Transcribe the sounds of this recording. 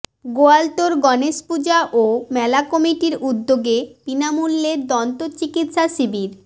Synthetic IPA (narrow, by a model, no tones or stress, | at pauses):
ɡoalʈoɾɡɔneʃpud͡ʑaʔomɛlakɔmiʈiɾud̪ːoɡepinamulːeɾd̪ɔnt̪ot͡ɕikit̪ʃasibiɾ